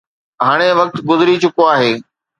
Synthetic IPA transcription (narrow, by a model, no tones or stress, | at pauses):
ɦaːɽ̃eʋɐk̚t̪ɡʊzɪɾit͡ɕʊkoaːɦeː